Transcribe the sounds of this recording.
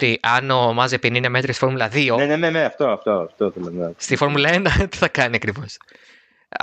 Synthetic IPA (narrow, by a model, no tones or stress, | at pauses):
t̪iʔɐno̞mɐzepinineme̞t̪ɾisifo̞ɾmulɐðioneneneneɐft̪o̞ɐft̪oɐft̪oθelenɐst̪ifo̞ɾmulɐenɐt̪i̥θɐkɐniɐkɾivo̞s